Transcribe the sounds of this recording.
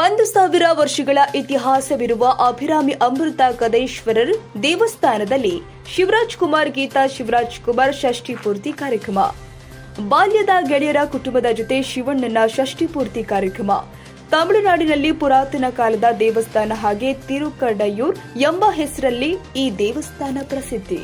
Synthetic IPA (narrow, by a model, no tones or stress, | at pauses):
ɐnd̪usaːʋiɾɐʋɐɾʂɐɡɐɭɐʔit̪iɦaːsɐʋiɾuʋɐʔɐbʱiɾaːmiʔɐmɾut̪ɐkɐd̪ɐjʃʋɐɾɐɾd̪ɛːʋɐst̪ʰaːnɐd̪ɐlːi | ʃiʋɾaːd͡ʒkumaːɾɡiːt̪aʃiʋɾaːd͡ʒkumaːɾʃɐʂʈipuːɾt̪ikaːɾjɐkɾɐmɐ̰ | baːljɐd̪ɐɡeɭijɐɾɐkuʈumbɐd̪ɐd͡ʒot̪e̞ʃiʋɐɳːɐnːɐʃɐʂʈipuːɾt̪ikaːɾjɐkɾɐmɐ̰ | t̪ɐmɭunaːɽinɐlːipuɾaːt̪ɐnɐkaːlɐd̪ɐd̪ɛːʋɐst̪ʰaːnɐɦaːɡet̪iɾukɐɾɖɐjuːɾjembɐɦesɐɾɐlːiiːd̪ɛːʋɐst̪ʰaːnɐpɾɐsid̪ʱːḭ